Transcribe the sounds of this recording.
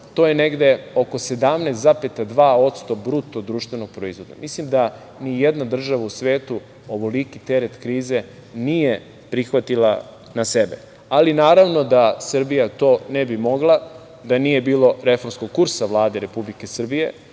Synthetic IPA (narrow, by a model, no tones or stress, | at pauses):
t̪o̞jene̞ɡd̪e̞o̞ko̞se̞d̪amnest̪zapet̪ad̪ʋaːo̞t̪st̪o̞bɾut̪od̪ɾuːʃt̪ʋe̞no̞ɡ̚pɾoizʋo̞d̪a̰mislimd̪a | nijɛd̪nad̪r̩ʒaʋausʋeːt̪u | oʋolikit̪eɾet̪kɾiːze̞ | nije̞ | pɾixʋat̪ila̰ | nasebḛ | alinaːɾaʋno̞d̪asr̩bijat̪o̞ːnebimo̞ɡlˠa | d̪anije̞biːlo̞ɾe̞fo̞ɾmsko̞ɡ̚kuɾsaʋlˠaːd̪eɾe̞publike̞sr̩bije̞̰